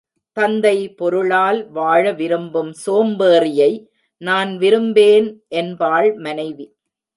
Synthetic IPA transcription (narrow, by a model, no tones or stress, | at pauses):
t̪ɐnd̪ɐɪpɔɾɯɭaːlʋaːɻɐʋɪɾɯmbɯmsoːmbeːrɪjɐɪ | naːnʋɪɾɯmbeːnʔɛnbaːɭmɐnɐɪʋi